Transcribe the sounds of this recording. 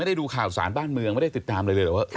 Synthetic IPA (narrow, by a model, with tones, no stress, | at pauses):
a˥˩jda˥˩duː˧kʰaː˨˩wsa̰ː˩˦nbaː˥˩nmɯ˧əŋm˥˩jda˥˩t̪i˨˩t̪ːaː˧mɾa˧jlɤː˧t̪ɛ˨˩waː˥˩ʔ